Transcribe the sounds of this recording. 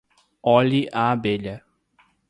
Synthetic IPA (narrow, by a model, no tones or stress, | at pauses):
ɔliʔaːbeʎɐ